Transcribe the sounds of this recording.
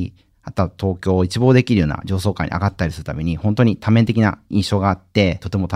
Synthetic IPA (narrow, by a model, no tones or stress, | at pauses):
at̪at̪ʰo̞ːkʲo̞ːit͡ɕibo̞ːd̪e̞kʲiɾɯjo̞ːna̰d͡ʑo̞ːs̬o̞ːka̰ḭɲ̟ḭa̰ɡat̪ːaɾʲisɨɾɯ̟t̪amʲe̞ɲ̟ihõ̞nt̪o̞ɲ̟it̪ʰamẽ̞nt̪e̞kʲina̰ĩɰ̃ɕo̞ːɡaːt̪ːe̞t̪o̞t̪emot̪a